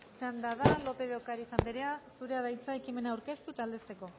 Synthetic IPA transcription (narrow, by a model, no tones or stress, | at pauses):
t͡ʃand̪aðalo̞pe̞ðeokaɾisambe̞ɾe̞asuɾe̞aðajt͡saekime̞naːwɾke̞st̪uet̪ald̪e̞st̪e̞ko̞